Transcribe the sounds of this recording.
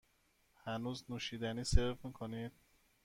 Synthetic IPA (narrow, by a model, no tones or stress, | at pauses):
hænuːznuːʃiːd̪æniːseɾfmiːkʰonid̪̥̚